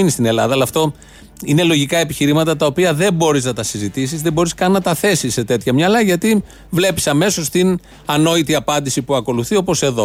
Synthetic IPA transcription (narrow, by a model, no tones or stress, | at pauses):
inist̪ine̞lɐðɐlɐft̪o̞ | ine̞lo̞ʝikɐe̞piçiɾimɐt̪ɐt̪ɐo̞piɐðembo̞ɾiznɐt̪ɐsizit̪isizðebo̞ɾiskɐnnːɐt̪ɐθe̞sisːe̞t̪e̞t̪çɐmɲɐlɐʝɐt̪i | vle̞pi̥sɐme̞so̞st̪in | ɐno̞it̪iɐpɐnd̪isipuɐko̞luθio̞po̞se̞ðo̞